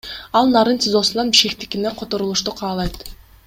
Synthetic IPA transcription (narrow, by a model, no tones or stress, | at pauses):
ɑlˠnɑɾɯnt̪ʰʲɪzo̞sulˠɑnbiʃkʲe̞k̚t̪i̥kʲineqʰo̞t̪o̞ɾulˠuʃt̪uqʰɑːlˠɑjt̪